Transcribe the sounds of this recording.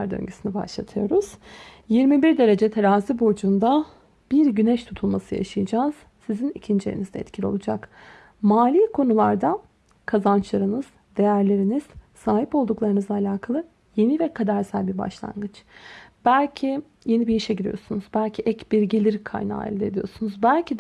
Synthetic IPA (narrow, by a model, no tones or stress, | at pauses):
aɾd̪ø̰ɲɟysiniba̰ʃlˠa̰t̪ʰɯjo̞ɾuz̥jiɾmibiɾd̪e̞ɾe̞d͡ʒɛt̪ʰeɾaːzibod͡ʒund̪a | b̥iɾɟynɛʃt̪ʰut̪ʰulˠmasɯ̰ja̰ʃajɯd͡ʒaːz̥ | sizinicʰind͡ʒḛɾḭnizd̪ɛ̰ɛ̰t̪cʰilʲio̞̰lˠud͡ʒak | maːlʲiːkʰo̞nulˠaɾd̪a | kʰazant͡ʃlˠaɾɯnɯz̥ | d̪e̞jæɾlʲe̞ɾiniz̥saːɦipo̞lˠd̪uklˠaɾɯnɯzˠaːlʲaːkʰalˠɯ | je̞nivɛkʰad̪æɾsælʲbiba̰ʃlˠa̰nɡɯt͡ʃʰb̥ælʲcʰi | je̞nibijiʃɛɟiɾḭjo̞̰sunuzbælʲcʰiʔɛcbiɾɟelʲiɾkʰa̰jna̰ːḭlʲd̪ʲed̪ijo̞sunuzbælʲcʰid̪